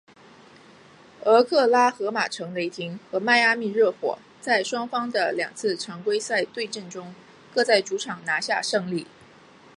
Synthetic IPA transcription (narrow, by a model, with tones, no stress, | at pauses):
ə˧˥kʰɤ˥˩la˥xɤ˧˥ma˨˩ʈ͡ʂʰɤ˧˥ŋle˧˥ɪt̪ʰi˧˥ŋxɤ˧˥ma˥˩˧ɪa˥mi˥˧ɻɤ˥˩xwɔ̰˨˩˦ | t͡sa˥˩ɪʂwɑ˥ŋfɑ˥ŋd̪ə˨ljɑ̰˨˩ŋt͡sʰɹ̩˥˩ʈ͡ʂʰɑ˧˥ŋkwe˥ɪsa˥˧ɪt̪we˥˧ɪʈ͡ʂə˥˩nʈ͡ʂʊ˥ŋ | kɤ˥˧t͡sa˥˩ɪʈ͡ʂu˧˥ʈ͡ʂʰɑ˨˩ŋna˧˥ɕja˥˧ʂɤ˥˧ŋli˥˩